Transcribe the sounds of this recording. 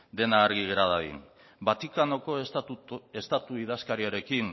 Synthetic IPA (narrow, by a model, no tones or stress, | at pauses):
d̪e̞naːɾɣiɣeɾaðaɣḭn | bat̪ikano̞ko̞ | e̞st̪at̪uiðaskaɾiaɾe̞kin